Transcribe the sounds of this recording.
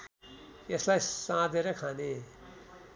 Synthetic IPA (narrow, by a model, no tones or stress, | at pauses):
eslajsãd̪eɾʌkʰane